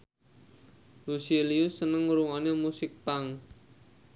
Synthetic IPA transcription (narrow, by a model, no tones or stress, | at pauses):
luseliusənəŋuɾuŋanemusɪk̚paŋ